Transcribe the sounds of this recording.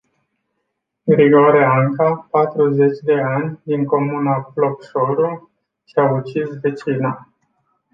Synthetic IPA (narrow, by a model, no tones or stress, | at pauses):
ɡɾiɡoɾeaŋkapat̪ɾuze̞t͡ʃʲd̪e̞anʲd̪iŋko̞munaflokʃoɾu | ʃiaut͡ʃisve̞t͡ʃina